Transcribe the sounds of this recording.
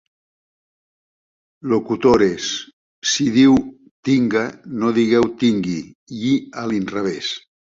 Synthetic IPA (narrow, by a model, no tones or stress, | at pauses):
lokut̪oɾes | siðiw | t̪iŋɡanoðiɣɛwt̪iŋɡiʎialinraβ̞es